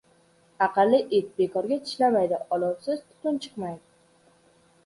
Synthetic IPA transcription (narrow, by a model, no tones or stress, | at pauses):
aqɨlːɪʔet̪̚be̞kʰɒɾɡʲat̪ʰɪ̥ʃlamajd̪ɪʔɒlˠɒwsɪz̥t̪ʰʊ̥t̪ʰʊnt͡ʃʰɨ̥qmajd̪ɪ